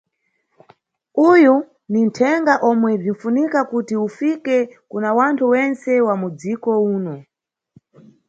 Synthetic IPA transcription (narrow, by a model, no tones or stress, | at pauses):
uju | nintʰɛŋɡaʔɔmwɛb͡ʐin̩funikakutiufikɛkunawantʰuwɛnt͡sɛwamud͡zikɔuːnɔ